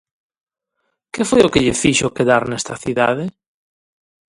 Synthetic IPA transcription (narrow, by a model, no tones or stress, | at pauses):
kefojokeʎefiʃokeðaɾnest̪ɐθiða̰ðe